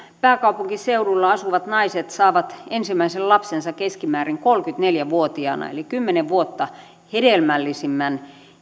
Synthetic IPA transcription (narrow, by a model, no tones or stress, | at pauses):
pæːkɑupuŋkiseurulːɑɑsuʋɑt̪nɑiset̪sɑːʋɑt̪ensimːˑæisellɑpsensɑkeskimæːriŋkolkyt̪neljæʋuot̪iɑ̰ˑnɑ̰ḛlikymːeneʋʋuot̪ːɑ | hedelmælːisimːæn